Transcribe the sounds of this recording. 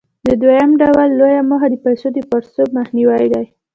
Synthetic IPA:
d̪əd̪wajamɖawalːojamɑxad̪əpajsod̪əpɑɾsobmaxniwajd̪aj

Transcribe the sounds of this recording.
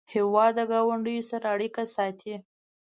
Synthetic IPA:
hewɑd̪ːəɡɑwaɳɖəjosaɾaaɽikasɑt̪ʰi

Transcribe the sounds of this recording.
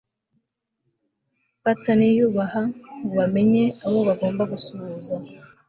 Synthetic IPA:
patanijuːβahaŋuβame̞ɲe̞aβo̞βaɡo̞ːmbaɡusuβuːza

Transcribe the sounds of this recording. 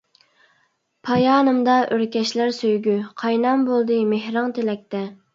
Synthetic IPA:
pʰɑjɑːnɨmd̪ɑʔøɾkʲɛʃlæɾsøjɡʲyqʰɑjnɑmbolˠd̪ɨmehɾɑŋt̪ʰelɛk̚ʲt̪ɛ

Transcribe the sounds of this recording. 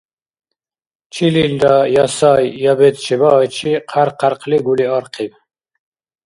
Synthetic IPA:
t͡ʃʰilild̪ajɑsajːabɛt̪t͡ʃʰɛbaːjt͡ʃʰiqʰaɾqʰaɾqʰliɡuliɑɾqʰib

